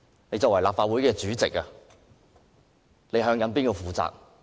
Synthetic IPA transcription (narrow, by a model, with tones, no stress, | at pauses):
ne˨˧jt͡sɔː˨kwɐ˨˩jlaː˨p̚faː˧t̚wu˨˥jkɛː˧t͡ʃyː˨˥t͡sɪ˨k̚ːa˧ | le˨˧jɦœː˧ŋjɐ˨˧npiː˥nko˧fuː˨˧t͡sa̰ː˨k̚